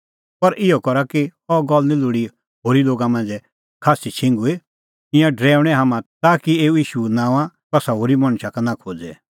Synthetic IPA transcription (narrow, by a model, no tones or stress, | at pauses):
pɐɾʔɪɔkɔɾakiɔɡɔlnĩlʊɽi | ɦoːɾiloːɡamãnd͡zɛ | kʰaːsit͡ʃʰɪ̃ŋɡue | ɪ̃jãɖɾɛːʊɽ̃ɛɦaːmãt̪aːkieːuiːʃunãːʋãt̪ɐsaɦoːɾimɐɽ̃ʃakanãkʰoːd͡zɛ